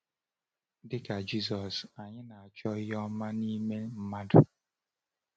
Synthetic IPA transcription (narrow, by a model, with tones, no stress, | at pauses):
dɪ˦ka˨d͡ʒi˦s̬ɔ˨sa˨ɲɪ˦na˨a˨t͡ʃɔ˦jɔ˦ma˦ni˦me˦m̩˦ma˦dʊ˦